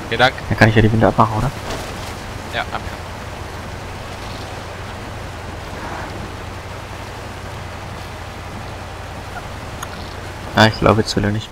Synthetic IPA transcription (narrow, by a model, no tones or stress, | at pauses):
dad̥ankʰanɪçjaːɾiːvɪndəapmaχn̩ʔoːɾɐ | jaaa | jaːɪçɡ̥la̰ʊbəsvɪlənɪç